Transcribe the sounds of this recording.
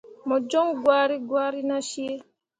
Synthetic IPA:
mɔ˨d͡ʒɔ˦ŋɡwaːɾi˦ɡwaːɾi˦naʃie˦

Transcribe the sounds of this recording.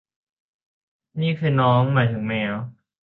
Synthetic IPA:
niː˥˩kʰɯː˧˩jnɔː˦˥ŋmːaː˨˦jt̪ʰɯ˩˦ŋmɛː˦˥w

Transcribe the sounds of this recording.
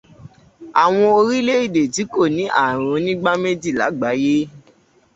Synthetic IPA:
a˨w̃ɔ̃˧o˧ɾi˦le˦i˦˨de˨ti˨˦ko˦˨nĩ˨˦ʔa̰˦˨ɾ̃õ˨˧˦nĩ˦ɡ͡ba˦me˦d͡ʒi˦˨la̰˨˦ɡ͡ba˨˦je˦

